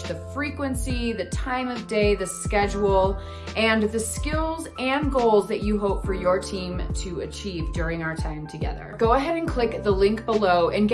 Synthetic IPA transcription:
ðɨfɹikwɨ̃nsiðɨtʰãɪ̃mʌvdeɪðɨskɛd͡ʒul̩ˠ | ʔɨ̃nðɨskɪlˠzɨ̃nɡoʊlˠzðɨt͡ʃɨɦoʊpfə˞jə˞tʰĩmtʰɨɨt͡ʃʰivdʊɹɪ̃ŋaʊə˞tʰãɪ̃mtʰɨɡɛ̰ðə̰˞ɡ̥oʊəɦɛɾɨ̃nkʰl̥ɪk̚ðəlɪ̃ŋk̚b̥əloʊʔɨ̃nɡ

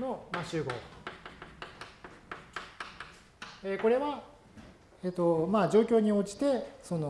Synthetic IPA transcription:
no̞maɕɨːɡo̞̰ | eko̞ɾe̞βa | eːt̪o̞mad͡ʑo̞ːkʲo̞ːɲ̟iot͡ɕi̥t̪e̞so̞no

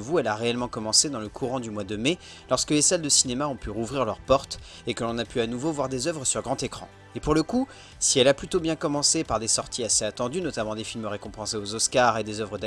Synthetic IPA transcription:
vuɛlaʁeɛlmɑ̃kɔmɑ̃sed̪ɑ̃ləkʰuʁɑ̃d̪ymwad̪əme | lɔʁskəlesald̪əsinemaɔ̃pyʁuvʁiʁlœʁpɔʁt̪ | ekəlɔ̃napyanuvovwaʁd̪ezœvʁəsyʁɡʁɑ̃t̪ekχɑ̰̃ | epuʁləku | siɛlaplyt̪objɛ̃kɔmɑ̃sepaʁd̪esɔʁt̪ʰiaseat̪ɑ̃d̪ynɔt̪amɑ̃d̪efilmʁekɔ̃pɑ̃seozɔskaʁed̪ezœvʁəd̪a

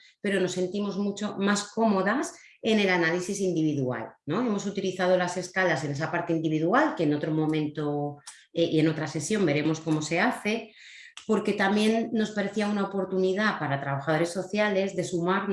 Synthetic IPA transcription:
pe̞ɾo̞no̞sːe̞nt̪imo̞zmut͡ʃo̞masko̞mo̞ðas | e̞ne̞lanalisisind̪iβ̞iðua̰lno̞e̞mo̞sut̪iliθað̞o̞lase̞skalase̞ne̞s̬apaɾt̪eind̪iβ̞iðualke̞ːno̞t̪ɾo̞mõ̞mẽnt̪o̞ | eʔie̞no̞t̪ɾase̞sjo̞mbe̞ɾe̞mo̞sko̞mo̞se̞aθe̞ | po̞ɾke̞t̪amje̞nːo̞spaɾe̞θiaunaopo̞ɾt̪uniðapaɾat̪ɾaβ̞axað̞o̞ɾe̞sːo̞θjale̞zðe̞sumaɾ

